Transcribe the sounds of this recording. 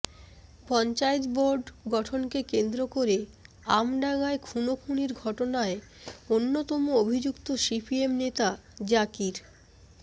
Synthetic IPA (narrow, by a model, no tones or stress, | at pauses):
pɔnt͡ɕaet̪boɾɖɡɔʈʰonkekend̪ɾokoɾe | amɖaŋaekʰunokʰuniɾɡʱɔʈonae | onːot̪ɔmoobʱid͡ʑukt̪oʃipʰiemnet̪ad͡ʑakiɾ